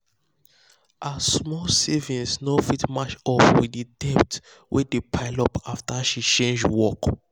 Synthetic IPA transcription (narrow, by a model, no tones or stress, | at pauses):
ʔasmɔsevĩnsnofitmat͡ʃɔpwididɛpt | wʔɛdepʰaɪlɔpaftaʃit͡ʃẽnd͡ʒwɔk